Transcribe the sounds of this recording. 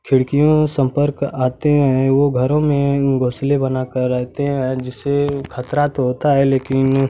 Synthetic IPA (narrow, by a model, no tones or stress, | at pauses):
kʰɪɽkijõsə̃mpəɾkaːt̪eɦɛ̃ʋoɡʱɐɾõmẽɡʱoːslebɐnakɐɾːɛɦt̪eɦɛ̃d͡ʒɪsekʰət̪ɾat̪oɦoːt̪aɦɛleːkɪn